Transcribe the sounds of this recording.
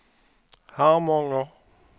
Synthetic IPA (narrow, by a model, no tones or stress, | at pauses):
hãmɔ̃ŋɔ